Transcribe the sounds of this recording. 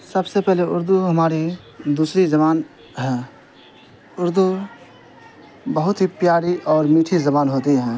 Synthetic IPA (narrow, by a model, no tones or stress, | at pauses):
sɐbsepɛɦleʔʊɾd̪uɦɐmaːɾi | d̪uːsɾizɐβaːn | ɦɛː | ʊɾd̪u | bɐɦʊt̪ɦipjaːɾiʔɔːɾmiːʈʰizɐbaːnɦoːt̪iɦɛ̃ː